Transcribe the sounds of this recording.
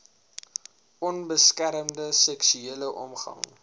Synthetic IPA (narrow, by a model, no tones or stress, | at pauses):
ʔɔnbəskæɾəmdəsɛksyeːləʔɔ̰mχɐ̰ŋ